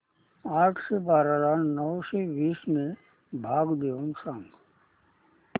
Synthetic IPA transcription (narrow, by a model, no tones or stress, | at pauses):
aːʈʰsebaːɾaɾannɔːseʋiːsmẽ | bʱaːɡd̪eonsãŋɡ